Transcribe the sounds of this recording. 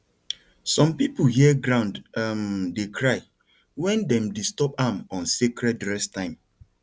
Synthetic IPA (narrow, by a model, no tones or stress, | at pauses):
sɔ̃mpipuhiɛɡɾãʊ̃ndamdekʰɹaɪ | wɛ̃ndɛ̃mdistɔpamɔ̃nsekɾɛdɹɛstãɪ̃m